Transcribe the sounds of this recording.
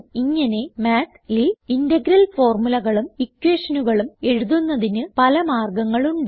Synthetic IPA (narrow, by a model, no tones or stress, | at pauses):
iŋːɐne̞maːt̪liindɐɡiɾɐlfo̞ːrmulɐɣɐɭumikːweːʂɐnuɣɐɭume̞ɻuðunːɐðinɨpɐlɐmaːrɡɐŋːɐɭuɳɖ